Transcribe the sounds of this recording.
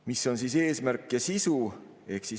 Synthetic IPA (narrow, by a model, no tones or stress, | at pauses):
miso̞nsise̞ːsmæɾkːˑjɑsisu | e̞hksi